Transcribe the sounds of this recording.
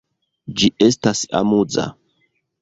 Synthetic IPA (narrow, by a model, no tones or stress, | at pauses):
d͡ʒiestasa̰mud͡za̰